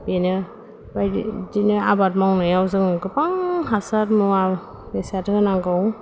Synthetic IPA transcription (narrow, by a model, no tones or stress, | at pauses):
benɯ | bajdinɯabat̚mawnɯjawzɯŋɡɯpaŋɦasatmua | besatɯnaŋɡɯw